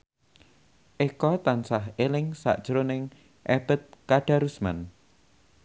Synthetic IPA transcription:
ʔekɔt̪ansaɦelɪŋsa̰ʔd̥ʒ̥ɾonɪŋ | ʔeb̥ə̤t̪̚kaɖ̥a̤ɾusma̰n

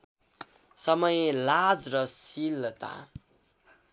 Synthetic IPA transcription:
sʌmʌjelad͡zrʌsilːʌt̪a̰

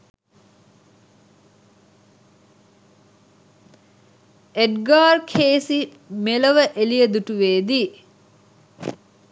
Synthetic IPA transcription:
eɖɡaːrkʰeːsi | meləʋəʔelijəd̪uʈuʋeːd̪iː

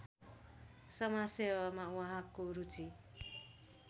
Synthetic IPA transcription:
sʌmasebamawʌɦãkoɾut͡si

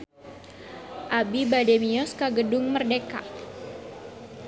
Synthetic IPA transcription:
ʔabibademiɔskaɡədʊŋmərdeka̰

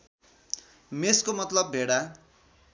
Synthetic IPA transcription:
meskomʌt̪lʌbːʱeɽa

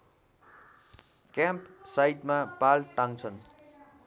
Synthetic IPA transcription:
kjãmpsajt̪mapalʈaŋt͡sʰʌn

